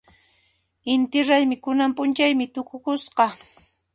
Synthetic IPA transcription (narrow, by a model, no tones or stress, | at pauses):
ɪnt̪ɪɾajmɪkʊnampʊnt͡ʃajmɪt̪ʊkʊkʊsqɑ